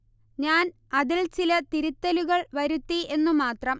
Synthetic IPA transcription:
ɲaːn | ɐðilt͡ɕilɐt̪iɾut̪ːɐluɣɐɭʋɐɾut̪ːie̞nːumaːt̪rɐm

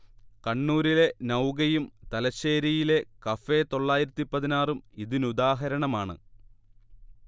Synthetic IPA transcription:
kɐɳːuːɾile̞nɐwɡɐjumt̪ɐlɐɕe̞ːɾijile̞kɐfe̞t̪o̞ɭːaːjiɾɐt̪ːipːɐðinaːrumiðinud̪aːɦɐɾɐɳɐmaːɳɨ̰

